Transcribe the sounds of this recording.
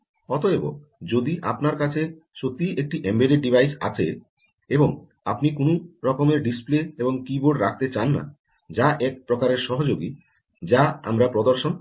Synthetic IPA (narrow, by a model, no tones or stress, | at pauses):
ɔt̪oebo̰ | d͡ʑod̪iʔapnaɾkat͡ɕʰe | ʃot̪ːiʔek̚ʈiʔembeɾeɖibʱajsa̰t͡ɕʰḛ | eboŋ | a̰pnikonoɾɔkomeɾɖispleeboŋkiboɖɾa̰k̚ʰt̪et͡ɕanːa̰ | d͡ʑaʔɛk̚pɾokaɾeɾʃɔɦod͡ʑoɡi | d͡ʑaa̰mɾapɾod̪oɾʃon